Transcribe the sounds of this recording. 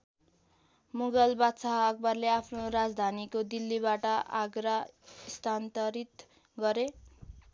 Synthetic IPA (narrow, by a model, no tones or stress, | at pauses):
muɡʌlbat̪saɦːk̚bʌrleapʰnorad͡zd̪ʱanikod̪ilːibaʈʌʔa̰ɡɾʌist̪ʰant̪ʌɾit̪ | ɡʌɾe